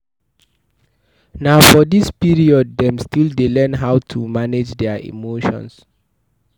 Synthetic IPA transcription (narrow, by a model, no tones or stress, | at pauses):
naʊfɔdispiɹiɔd̚dɛ̃mstildelɛnɦawtʰumaned͡ʒdɛaḭmoʃɔ̰̃ns